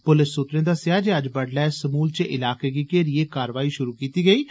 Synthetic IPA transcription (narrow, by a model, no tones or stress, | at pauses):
pʊlɪsːʊt̪ɾẽːd̪aːsjaːd͡ʒeəd͡ʒbəɽlɛːsəmuːlt͡ʃəʔɪlaːkeːɡiːkeːɾieːkaːɾʋaːiːʃʊɾuːkiːt̪iːɡəiː